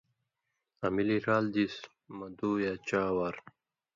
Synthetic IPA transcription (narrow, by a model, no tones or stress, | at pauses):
ɐmiliɾaːld̪is | mɐd̪uːjaːt͡ɕaːwaɾ